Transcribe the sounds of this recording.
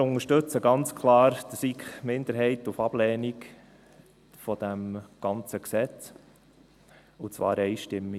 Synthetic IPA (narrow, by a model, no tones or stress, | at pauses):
ʊŋəʃtɵt͡səɡɑnt͡skʰlɑːɾd̥̪sikmɪnd̪əɾɦɛɪtufɑb̥lɛːnik | fɔd̥̪æmɡ̥ɑnt͡səksɛt͡s | ut͡sʋɑ̰ːɾɛɪʃtɪmːi